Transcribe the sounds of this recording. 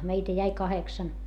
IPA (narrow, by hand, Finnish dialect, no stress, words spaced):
meitæ jæi kɑheksɑn